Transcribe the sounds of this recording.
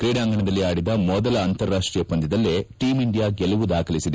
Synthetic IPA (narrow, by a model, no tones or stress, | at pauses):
kɾiːɽaːŋɡɐɳɐd̪ɐlːiaːɽid̪ɐmɔd̪ɐlɐːnt̪ɐɾːaːʂʈɾijɐpːɐnd̪id̪ɐlːeʈiːmiɳɖijaːɡɛlɐʋud̪aːkʰɐlisid̪e